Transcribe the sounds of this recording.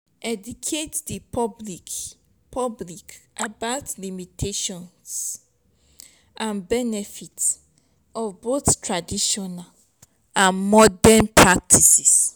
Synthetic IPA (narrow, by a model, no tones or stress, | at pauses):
ʔɛdukʰetdipʰɔblik | pʰɔblikʔabaʊtlimitʰeʃɔ̃ns | ʔãnbɛnɛfits | ɔvboθtʰɹadiʃɔnal | ãnmɔdɛ̃npʰɹak̚tʰisis